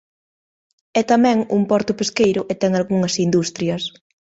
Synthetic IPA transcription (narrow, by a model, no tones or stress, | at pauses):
ɛt̪amɛ̃ŋumpɔɾt̪ʊpeskejɾʊʔet̪ɛŋalɣuŋɐsind̪ust̪ɾjɐs